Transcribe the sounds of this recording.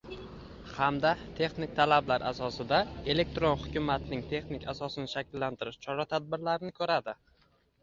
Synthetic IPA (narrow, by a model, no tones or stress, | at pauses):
hamd̪at̪ʰe̞χnɪk̚ʲt̪ʰalablaɾʔasɒsɪd̪ae̞le̞k̚t̪ɾonhʊkʲʊmat̪nɪŋt̪ʰe̞χnɪkʲasɒsɪnɪʃakʲɪlːant̪ʰɪɾɪʃt͡ʃʰɒɾat̪ʰad̪̚bɪɾlaɾɪnɪkʰɵɾad̪ɪ